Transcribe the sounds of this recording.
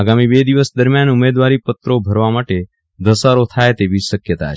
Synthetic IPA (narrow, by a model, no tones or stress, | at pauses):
aɡamibed̪iʋəsd̪əɾmjanumed̪ʋaɾipət̪ɾobʱəɾʋamaʈe | d̪əsaɾot̪ʰajt̪eʋiʃəkjət̪a̰